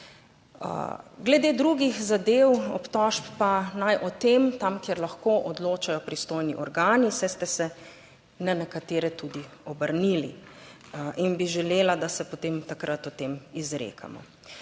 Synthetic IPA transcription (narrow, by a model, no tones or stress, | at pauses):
ɡlɛd̪eːd̪ɾuɡixzad̪ewɔpt̪ɔʃpːanajʔɔt̪emt̪amkjɛɾlaxkoʔɔd̪loːt͡ʃajɔpɾist̪oːjniʔɔɾɡaːnisɛjst̪ɛsɛ | nɛnɛkat̪eːɾɛt̪ud̪iɔbəɾnilḭ | inbiʒɛleːlad̪asɛpot̪emt̪akɾʔat̪ɔt̪emizɾḛkʰa̰mɔ̰